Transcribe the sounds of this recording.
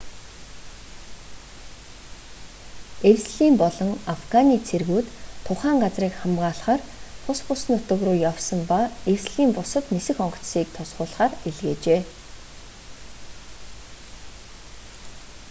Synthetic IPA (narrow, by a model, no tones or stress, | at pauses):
ewsɮiːmpɔɮɞ̆ŋafɡaniːt͡sʰerɣuːt̪ʰːʊχæːɴɢat͡sriːkχamɢaːɮχaːrt̪ʰʊspʊs̆nʊt̪ə̆ɣrʊːjawsə̆mpaewsɮiːmpʊsɞ̆t̪nesɘ̆xɔɴɢɞ̥̆t͡ssiːk̚t̪ʰʊsʁʊːɮχaːreɮɣeːt͡ɕeː